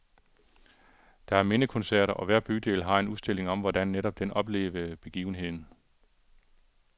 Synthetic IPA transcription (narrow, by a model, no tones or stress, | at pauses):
d̥ɑ̈æɐme̝nəkʰɔ̽nsæɐ̰ɾɐʔɒ̽ʋæɐ̰b̥yd̥e̝̰ːlɦɑ̈e̝nuðsd̥e̝l̰e̝ŋɒ̽mʋɒdænːeɾɒ̽b̥̚d̥enɒ̽b̥le̝̰ːʋəb̥e̝ɡ̥ḭːʊn̩ɦe̝ð̞̰ˠn̩